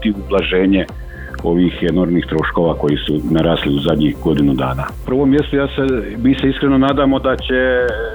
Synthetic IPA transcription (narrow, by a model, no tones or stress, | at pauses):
t̪iublˠaʒe̞ːɲe | o̞ʋiːxeno̞ɾmniːxt̪ɾo̞ʃko̞ʋako̞jisunaɾaːsliuzad̪ɲixɡo̞d̪inud̪aːnapr̩ʋo̞mje̞st̪ujd̪asemiːseiskɾe̞nonaːd̪aːmo̞d̪at͡ɕe̞